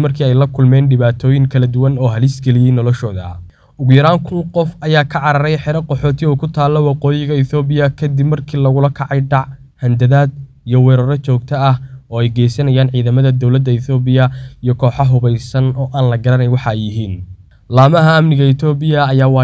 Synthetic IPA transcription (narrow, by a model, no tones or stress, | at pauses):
mɐrkʰiːɛjlɐkʰʊlmɛːnɖɪβaːt̪ʰɔːjɪŋkʰɐlɐd̪ʊwɐnɔːɦɐlɪsɡɛlɪjɛjnɔlɔʃɔːðɐ̰ | ʊɣʊjɐɾaːŋkʰʊnqɔfɐjaːkʰɐʕɑɾɐɾɛjħɛɾɐqɔħɔːt̪ʰɪuːkʰʊt̪ʰaːlːɔwɑqɔːjɪɣɐɪθɔːbɪjɐkʰɐd̪ibmɐrkʰiːlɐɣʊlɐkʰɑʕɑjɖɑʕ | hɐnd̪ɐðaːd̪ | ijɔwɛːɾɔːɾɐt͡ʃɔːɡ̚t̪ʰɐɐhɔːɛjɡɛːjsɐnɐjaːnʕiːðɐmɐðɐd̪ɔwlɐd̪ːɐɪθɔːbɪjɐijɔkʰɔːħɑɦʊβɛjsɐnɔːʔaːnlɐɡɐɾɐnɛjwɑħɑɛjɪɦiːn | laːmɐɦɐɐmnɪɣɐɪt̪ʰɔːbɪjɐːjaːwɑː